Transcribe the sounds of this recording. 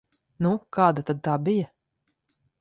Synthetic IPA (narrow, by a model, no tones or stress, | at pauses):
nukaːd̪at̪ad̪̚t̪aːbijɐ